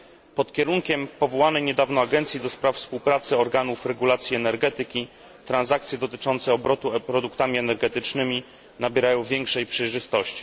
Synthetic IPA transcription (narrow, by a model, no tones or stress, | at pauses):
pɔt̪kʲɛɾuŋkʲɛmpɔvɔwanɛjɲɛd̪avnɔaɡɛnt̪sʲjid̪ɔspɾaffspuwpɾat̪sɘɔɾɡanufɾɛɡulat̪sʲjiɛnɛɾɡɛt̪ɘkʲi | t̪ɾanzak̚t̪sʲjɛd̪ɔt̪ɘt͡ʂɔnt̪sɛɔbɾɔt̪upɾɔd̪ukt̪amʲiɛnɛɾɡɛt̪ɘt͡ʂnɘmʲi | nabʲjɛɾajɔ̃w̃vʲjɛŋkʂɛjpʂɛjʐɘst̪ɔɕt͡ɕi̥